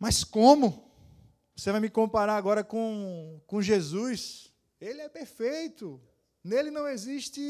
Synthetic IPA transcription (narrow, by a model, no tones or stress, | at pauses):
mɐskõmʊ | vosevajmɪkõpaɾaaɡɔɾɐkõkõʒezujs | elɪɛpeɾfejt̪ʊ | nelɪnɐ̃w̃eziʃt̪ɪ